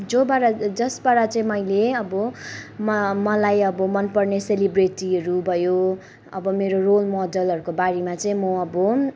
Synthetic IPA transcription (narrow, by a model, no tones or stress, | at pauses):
d͡zobaɾad͡zʌsbaɽat͡saĩmʌjleʌbʌmʌmʌlajʌbʌmʌnpʌrneselibreʈiɦʌɾubʱʌjo | ʌ̰bʌmeɾorolmɔdʌlɦʌɾukobaɾimat͡saĩmʌʌbʌ